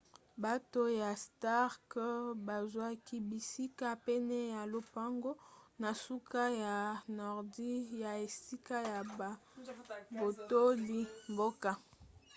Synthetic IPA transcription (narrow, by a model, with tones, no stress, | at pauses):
ba˦to˦ja˨sta˦ʁkba˨zwa˦ki˦bi˨si˦ka˦pe˦nɛ˦ja˨lo˨pa˦ŋɡo˦na˨su˦ka˦ja˨nɔ˨ʁdi˦ja˨e˨si˦ka˦ja˨ | bo˨to˦li˨mbo˦ka˦